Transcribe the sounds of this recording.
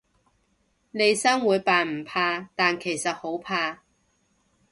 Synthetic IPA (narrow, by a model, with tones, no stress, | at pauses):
le˨˧jsɐ˥ŋwuː˨˧˥jpaː˨nm̩˨˩pʰaː˧t̪aː˨nkʰe˨˩jsɐ˨t̚ho˨˥wpʰaː˧